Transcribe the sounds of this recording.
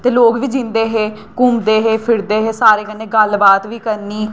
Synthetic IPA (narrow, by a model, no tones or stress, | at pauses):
t̪eːloːkʋiːd͡ʒɪ̃nd̪eːɦeː | kʊmd̪eːɦeːpʰɪɾd̪eːɦeːsaːɾeːkənːeːɡəlbaːt̪ʋiːkəɾniː